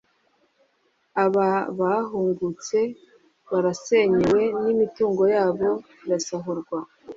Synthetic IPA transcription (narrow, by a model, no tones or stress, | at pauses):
aβaβaɦuːŋɡut͡se̞ | βaɾase̞ɲewe̞nimituːŋɡo̞jaːβo̞ | iɾasaɦuɾɡwa